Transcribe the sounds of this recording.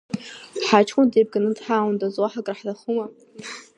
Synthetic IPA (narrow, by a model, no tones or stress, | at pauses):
ħat͡ʃʰkʷʼʊndejb̚ɡanɨdħaːwndʼazwaħakʼraħdaχuma